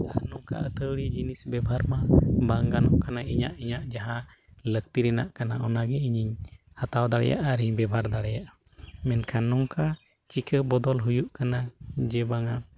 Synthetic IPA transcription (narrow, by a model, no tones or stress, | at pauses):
anɔŋka̰ət̪əwɽid͡ʒinisbɛbʱaɾmabaŋɡanɔkanaiɲa̰ʔiɲaʔd͡ʒaɦa | lək̚t̪iɾɛna̰ʔkanaɔnaɡɛiɲiɲ | hat̪awd̪aɽɛ̰ja̰ʔaɾiɲbɛbʱaɾd̪aɽɛjaʔ | mɛnkʰanɔŋka | t͡ʃikʰəbɔd̪ɔlɦujuʔkanad͡ʒɛbaŋa